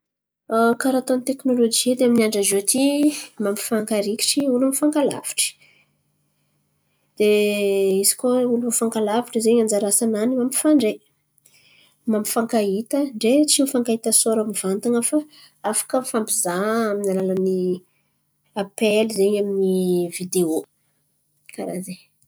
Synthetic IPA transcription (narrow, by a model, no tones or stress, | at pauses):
kaɾat̪onit̪eknolod͡ʒid̪eaminiaɳɖ͡ʐazot̪imampi̥faŋkaɾiki̥ʈ͡ʂiulumifaŋkala̰v̥i̥ʈ͡ʂə̥ | d̪̥eizi̥koulumifaŋkalaviʈ͡ʂəzeɲand͡ʒaɾasananimampi̥faɳɖ͡ʐe | mampi̥faŋkait̪əɳɖ͡ʐet͡sinifaŋkait̪əsoɾamiv̥ant̪aŋafə | afḁkəfampizaaminalalani | apelizeɲaminivid̪eo | kaɾa̰ze